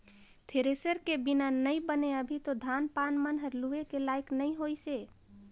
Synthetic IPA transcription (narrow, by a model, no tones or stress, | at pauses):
t̪ʰeɾesəɾkebɪnanəĩbəneəbʱit̪od̪ʱaːnpaːnmənɦəɾluekelaːɪknəĩɦoːiseː